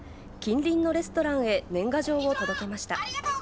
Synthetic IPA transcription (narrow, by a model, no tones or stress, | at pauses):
kʲĩnɾʲĩnːo̞ɾe̞s̬ɨ̥t̪o̞ɾãɰ̃e̞nẽ̞ŋɡaʑo̞ːβo̞t̪od̪o̞ke̞maɕi̥t̪a